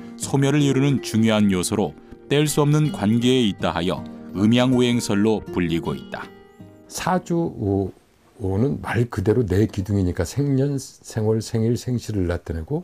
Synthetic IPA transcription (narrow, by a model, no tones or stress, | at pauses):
sʰomjʌɾɯɾiɾunɯnt͡ɕuŋjoɦanjosʰʌɾo | t͈eɭs͈uʌmnɯnkwanɡe̞ːit̚t͈aɦajʌ̰ɯmjaŋuɦe̞ŋsʰʌɭːopuʎːiɡoḭt̚t͈a | sʰad͡ʑuoː | nɯnmaɭkɯde̞ɾonekiduŋiɲik͈asʰeŋɲʌnsʰeŋwʌɭsʰeŋiɭsʰeŋɕʰiɾɯɭːat̚t͈ɯnɦeɡo